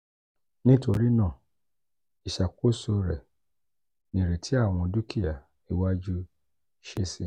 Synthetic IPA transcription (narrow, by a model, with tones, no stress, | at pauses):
nĩ˦to˧ɾi˦nã˦˨ | i˨ʃa˨ko˦so˧ɾɛ˨ | nĩ˨ɾe˨tʰi˨˦a˦˨w̃ɔ̃˧du˦ki˦ja˨ | i˨wa˦d͡ʒu˦ | ʃe˦si˧˦